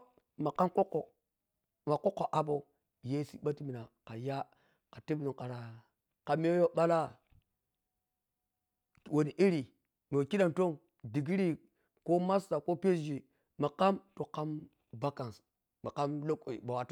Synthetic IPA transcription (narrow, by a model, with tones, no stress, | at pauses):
ma˨ka˦mko˦kːo˨ | ma˨ko˦kːo˨ʔa˨bo˨ | je˦si˦ɓa˦ti˦mi˨na˨ka˨ja˦ | ka˨ti˦bnu˨ŋka˨ɾa˨ | ka˨m˦o˦jo˦ɓa˦la˦ | wo˨ni˨ʔi˦ɾi˨ | no˨ki˦ɗa˨nto˦ŋ | di˨ɡi˦ɾi˦ | ko˦ma˦sta˨ko˦pe˦˨d͡ʒi˨ | ma˨ka˦mto˨ka˦m | ba˦ka˨ns | ma˨ka˦mlo˦kba˨wa˨t